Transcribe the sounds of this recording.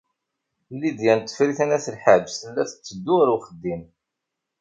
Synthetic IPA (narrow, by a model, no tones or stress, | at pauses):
lːid̪jænt̪ːə̥fɾiθænæθəlħaʕd͡ʒsəlːæθə̥t͡sːəd̪ːʊɾuχəd̪ːim